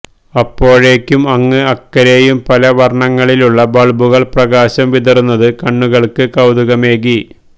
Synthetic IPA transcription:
ɐpːo̞ːɻe̞ːkʲːumɐŋːɨɐkːɐɾe̞jumpɐlɐʋɐrɳɐŋːɐɭiluɭːɐbɐɭbuɣɐɭprɐɣaːɕɐmʋiðɐrunːɐðɨkɐɳːuɣɐɭkɨkɐwd̪uɣɐme̞ːɣi

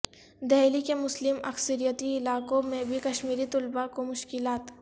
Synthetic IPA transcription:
d̪ɛɦlikemʊslɪmɐ̰ksəɾijət̪iɪlaːkõmẽbʱikɐʃmiːɾit̪ʊlbakomʊʃkɪlaːt̪

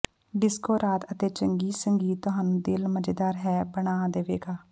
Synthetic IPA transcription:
ɖɪskoːɾaːt̪ət̪eːt͡ʃəŋɡiːsəŋɡiːt̪ːʊɦaːnũːd̪ɪlməd͡ʒd̪aːɾɦɛːbəɳaːd̪eːʋeːɡaː

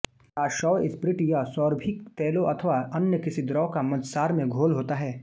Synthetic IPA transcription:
t̪aːʃɔːɪspɾɪʈijasɔːɾbʱɪkt̪ɛːloʔɐt̪ʰəʋaɐnjəkɪsid̪ɾɔːkamɐt̪saːɾmẽɡʱoːlɦoːt̪aɦɛː

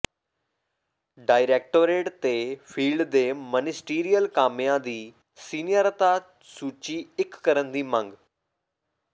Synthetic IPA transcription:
ɖaːɪɾeːk̚ʈoːɾeːʈt̪efʰiːlɖd̪eːmənɪsʈiːɾijəlkaːmijãd̪iː | siːnijəɾt̪a | suːt͡ʃiɪkːəɾənd̪iːmə̃ŋɡ

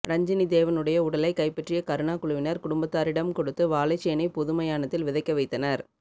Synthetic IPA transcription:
ɾɐɲd͡ʒɐnid̪eːʋɐnɯɽɐjɐʊɽɐlɐɪkɐɪpːɛʈrɪjɐkɐɾɯɳaːkʊɭʊʋɪnɐɾkʊɽʊmbɐt̪ːaːɾɪɽɐmkɔɽɯt̪ːɯʋaːlɐɪt͡ʃːɛjnɐɪpʊðʊmɐjaːnɐt̪ːɪlʋɪðɐɪkːɐʋɐɪt̪ːɐnɐɾ

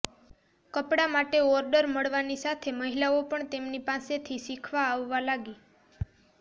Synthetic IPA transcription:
kəpɽamaʈeɔɾɖəɾməɭʋanisat̪ʰeməɦilaopəɳt̪emnipãset̪ʰisikʰʋaːʋːalaɡi

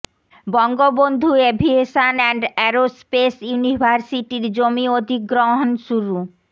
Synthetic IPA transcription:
bɔŋɡobond̪ʱuebʱieʃanɛɳɖɛɾospesjunibʱaɾsiʈiɾd͡ʑomiod̪ʱiɡɾoɦonʃuɾu

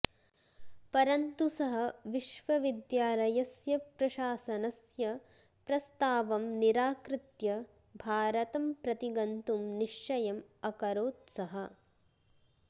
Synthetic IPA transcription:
pɐɾɐnt̪usɐɦɐ̆ʋiʃʋɐʋid̪jaːlɐjɐsjɐpɾɐʃaːsɐnɐsjɐ | pɾɐst̪aːʋɐmniɾaːkɾɪt̪jɐ | bʱaːɾɐt̪ɐmpɾɐt̪iɡɐnt̪umniʃːɐjɐmɐkɐɾoːt̪sɐɦɐ

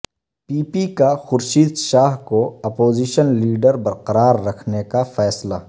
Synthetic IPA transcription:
piːpikaxʊɾʃiːd̪ʃaːɦkoɐpoːziːʃənliːɖəɾbɐɾqɐɾaːɾːɐkʰnekafɛːslaː

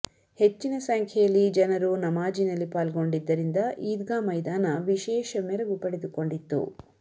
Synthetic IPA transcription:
he̞t͡ʃːinɐsɐŋkʰɛjɐlːid͡ʒɐnɐɾunɐmaːd͡ʒinɐlːipaːlɡo̞ɳɖid̪ːɐɾind̪ɐʔiːd̪ɡaːmɐjd̪aːnɐʋiʃɛːʃɐmɛɾɐɡupɐɽed̪uko̞ɳɖit̪ːṵ

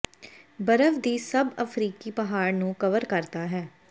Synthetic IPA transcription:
bəɾəʋd̪iːsəbəfʰɾiːkiːpəɦaːɾnũːkəʋəɾkəɾt̪aːɦɛː

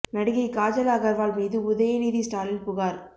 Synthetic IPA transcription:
nɐɽɪɣɐɪkaːd͡ʒɐlaːɣɐɾʋaːlmiːðɯʊðɐjɐniːðisʈaːɾɪlpʊɣaːɾ

